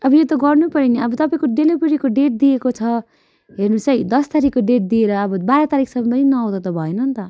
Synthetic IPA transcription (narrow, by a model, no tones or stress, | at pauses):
ʌbʌjot̪ʌɡʌrnupʌɾiniʌbʌt̪ʌpaĩkoɖelobeɾikoɖeʈ̚d̪iekot͡sʰʌ | ɦernut͡sʌjd̪ʌst̪aɾikːoɖeʈ̚d̪ieɾʌːbʌbaɾʌt̪aɾiksʌmʌpʌninʌaw̃d̪ʌt̪ʌbʱʌenʌnt̪ʌ